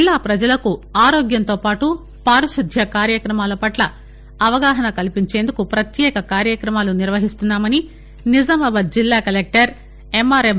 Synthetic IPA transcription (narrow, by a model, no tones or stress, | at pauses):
d͡ʒlːaːpɾɐd͡ʒɐlɐkuaːɾoːɡjɐnt̪oːpaːʈu | paːɾɐʃud̪ʱjɐkaːɾjɐkɾɐmaːlɐpɐʈlɐː | ʋɐɡaːɦɐnɐkɐlipiɲt͡ʃeːnd̪ukupɾɐt̪jɛːkɐkaːɾjɐkɾɐmaːluniɾʋɐɦist̪unːaːmɐni | nizɐmɐbɐd̪̚d͡ʒilːaːkɐlek̚ʈɐɾ | emaːɾe